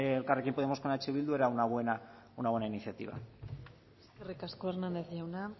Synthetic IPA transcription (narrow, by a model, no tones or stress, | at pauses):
lkarekimpoðeamoskonat͡ʃiβild̪ue̞ɾaunaβwe̞na | unaβwenainiθjat̪ḭβ̞a̰ | skirikaskoeɾnãnd̪eθjawna